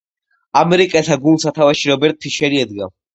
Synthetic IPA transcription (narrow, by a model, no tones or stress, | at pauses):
amɛɾikʼɛlt̪ʰaɡund̪sat̪ʰavaʃiɾɔbɛɾt̪̚ʼtʰiʃɛɾiɛd̪ɡa